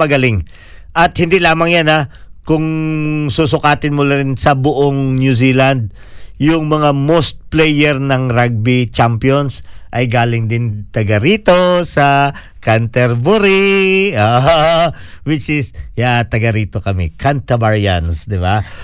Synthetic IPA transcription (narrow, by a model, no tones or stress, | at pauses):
ɐɡɐlɪŋ | ʔɐt̪hɪnd̪ilaːmɐŋjanakʊŋsusʊkaːt̪ɪnmʊlaɾɪnsɐbʊʔoŋnjus̬iːland̪̚ | jʊŋmɐŋamost̪̚plɛjɛɾnɐŋɾaɡ̚bit͡ʃampjonsʔɐjɡaːlɪŋd̪ɪnt̪ɐɡɐɾiːt̪o̞sɐ | kɐnt̪ɛɾbʊɾioʔ | wɪt͡ʃɪsjat̪ɐɡɐɾiːt̪o̞kɐmɛ̰kʰant̪ɐbaɹja̰nsd̪ɪba